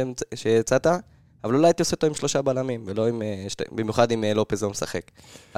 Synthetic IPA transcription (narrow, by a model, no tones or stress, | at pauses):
ʃet͡sat̪a | avalulajat̪ioset̪oimʃlo̞ʃabalamimvelo̞imeʃbimjuχad̪imlo̞pezomesa̰χek